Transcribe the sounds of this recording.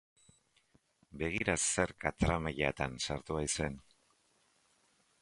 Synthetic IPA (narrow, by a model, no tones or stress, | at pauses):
be̞ɣ̞iɾase̞ɾkat̪ɾamaʎat̪ansaɾt̪uβajsue̞n